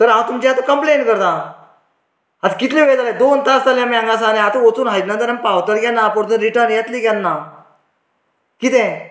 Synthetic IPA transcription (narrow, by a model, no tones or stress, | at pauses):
t̪əɾãt̪umd͡ʑeat̪ukəmpleːnkəɾt̪ã | at̪kit̪lẽʋet̪aled̪oːnt̪ast̪aljãmãŋɡas̬aːnẽat̪ũot͡suːnɦajd̪nãnd̪ənãmpaʋt̪əɾɡʲanːapoɾt̪unɾiʈənjat̪liɡanːa | kit̪̬ẽ